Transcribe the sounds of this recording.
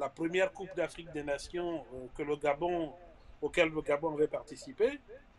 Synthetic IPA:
lapχəmjɛʁkupd̪afχik̚d̪enasjɔ̃kələɡabɔ̃okɛlːəɡabɔ̃avɛpaʁt̪isipe

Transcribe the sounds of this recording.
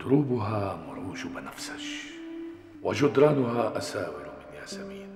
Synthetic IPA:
d̪ʊɾuːbʊɦaːmʊɾuːʒʊbnafsḁʃ | wad͡ʒʊd̪ɾˤɑːnʊhaːʔasaːwɪlmɪnjaːsamiːn

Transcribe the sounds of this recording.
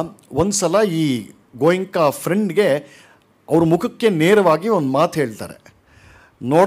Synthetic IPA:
ond̪usɐlɐiː | ɡoːjiŋkapʰɾeɳɖɡe̞ | ɐʋɾumukʰɐkːe̞neːɾɐʋaːɡiond̪maːt̪ɦe̞ːɭt̪a̰ːɾḛ | noː

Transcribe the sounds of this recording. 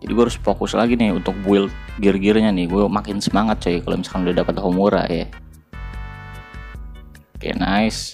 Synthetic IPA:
d͡ʒadiɡuaɾʊspokʊslaɡinɪhunt̪ʊk̚buɪlɡɪrɡɪrɲanɪhɡuɛmakɪnsəmaŋat̪̚t͡ʃaikalo̰misḁkanudadapat̪ɦomuɾa̰ja | kaja̰na̰ɪs

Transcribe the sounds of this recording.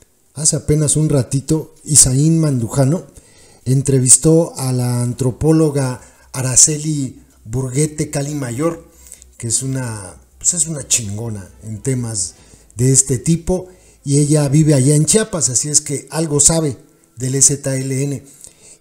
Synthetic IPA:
ase̞ape̞nasunrat̪it̪o̞isainmãnd̪uxano̞ | e̞nt̪ɾe̞βist̪o̞alaːnt̪ɾo̞po̞lo̞ɣaː | ɾaseli | buɾɣe̞t̪e̞kalimaʝo̞ɾ | keesunapwe̥se̞sunat͡ʃiŋɡo̞na̰ent̪e̞maz | ðe̞est̪e̞t̪ipo | ie̞ʝaβiβeaʝaent͡ʃjapasasie̞ske̞alɣo̞saβe̞ | ðe̞leset̪aeleene̞

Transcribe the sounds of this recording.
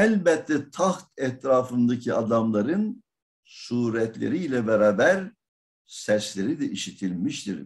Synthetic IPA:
ɛlʲbɛt̪ʰːɛt̪ʰaxt̪ɛt̪ɾaːfɯnd̪acʰiad̪amlˠaɾɯn | suːɾɛt̪lʲḛɾiːlʲɛbɛɾaːbæɾ | sɛslʲeɾid̪ɛʔiʃit̪ʰilʲmiʃt̪ḭɾ

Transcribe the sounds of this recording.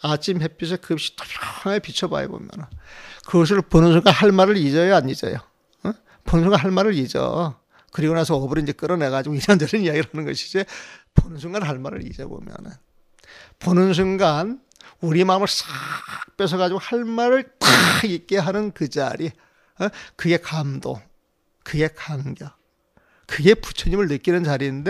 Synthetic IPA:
at͡ɕʰimhe̞pʰis̬ʰʌkɯpɕ͈ʰi̥t͈ʌ̥pʰaaŋepit͡ɕʰʌba̰jḛbo̰mjʌ̰nɯnkɯɡʌs̬ʰɯɭponɯns̬ʰuŋɡanhaɭmaɾɯɾid͡ʑʌeaɲid͡ʑʌ̰jo | ponɯnsuŋɡanɦaɭmaɾɯɾid͡ʑʌ̰ | kɯɾiɡonasʰʌʌbɯɾɯnd͡ʑek͈ɯɾʌne̞ɣad͡ʑiɡoiɾandeɾɯnijaɡiɭhanɯnɡʌɕʰid͡ʑeponɯns̬ʰuŋɡanɦaɭmaɾɯ̰ɾḭd͡ʑʌbo̰mjʌ̰nɯn | ponɯns̬ʰunɡan | uɾimaɯmɯɭs͈ak̚p͈es̬ʰʌɣad͡ʑiɡohaɭmaɾɯɭkaik̚k͈e̞ɦanɯnkɯd͡ʑa̰ɾi | kɯɡe̞kamdo̰ | kɯɡe̞kaŋɡjʌ | kɯɡe̞pu̥t͡ɕʰʌɲimɯɭnɯk͈inɯnt͡ɕaɾinnde̞

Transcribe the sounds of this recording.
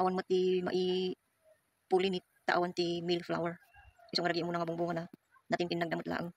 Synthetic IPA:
ʔawanmat̪ima̰ʔi | pulini | t̪aʔawant̪imilfla̰wɛɾʔisoŋɾaɡjamuːnaŋabuŋbuːŋana | nat̪ɪnt̪ɪnːɐɡ̚d̪amʊt̪la̰ːʔaŋ

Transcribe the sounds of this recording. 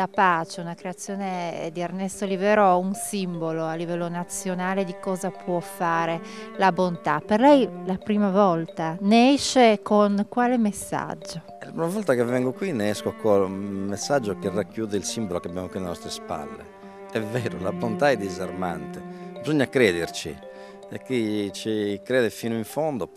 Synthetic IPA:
lapaːt͡ʃeunakɾeat̪sːjɔːned̪iarnɛst̪olivɛːɾoɛunsimboloalːivɛlːonat̪sːjonaːled̪ikɔːzapʰwɔfːaːɾelabont̪aperlɛjlapɾiːmavɔlt̪aneɛʃːekonkwaːlemesːa̰d͡ʒːo | ɛlapɾimavɔlt̪akevɛŋɡokwinɛɛskoakwɔmesːad͡ʒːokerakːjuːðɛilsimbolokeabjamokwinlenɔst̪ɾespa̰lːḛ | ɛvːɛːɾolabont̪aɛd̪ːizaɾma̰nt̪ɛbizoɲːakɾɛːðeɾt͡ʃḭ | ɛkːit͡ʃikɾɛːðɛfiːnoiɱfond̪o

